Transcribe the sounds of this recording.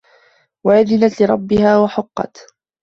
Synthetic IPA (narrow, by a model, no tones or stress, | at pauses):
waʔaðɪnat̪lɪɾˤɑbːɪhaːwaħʊqːɑ̰t̪